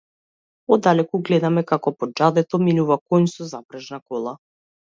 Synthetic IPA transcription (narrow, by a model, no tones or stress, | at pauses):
ɔd̪alɛkuɡlɛd̪amɛkakɔpɔd͡ʒad̪ɛt̪ɔminuvakɔnsɔzabɾaʒnakɔlˠa